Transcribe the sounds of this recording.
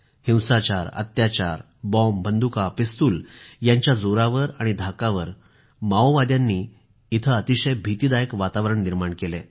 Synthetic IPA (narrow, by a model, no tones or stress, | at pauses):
hĩwsat͡ɕaɾə̰t̪jat͡ɕaɾ | bɔmbʱənd̪ukapist̪uːljaɲt͡ɕjad͡zoɾaʋəɾaɽ̃id̪ʱakaʋəɾ | maoʋad̪jãnːiː | t̪ʰəːt̪iɕəjbʱit̪iːd̪ajəkʋat̪aʋɾəɳniɾmaɳkele